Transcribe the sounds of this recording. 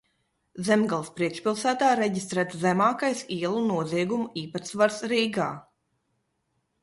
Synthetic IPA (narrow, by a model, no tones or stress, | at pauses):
zɛmɡalˠspɾiɛkʃpilˠsæːt̪aːɾɛɟist̪ɾæːt̪zæmaːkajsiɛlˠunuɔziɛɡumuiːpat̪svaɾsɾiːɡaː